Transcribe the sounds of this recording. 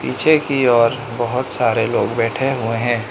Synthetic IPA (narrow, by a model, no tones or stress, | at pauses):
piːt͡ʃʰekiɔːɾ | bəɦʊt̪saːɾeloːɡbɛːʈʰeɦʊeɦɛ̃ː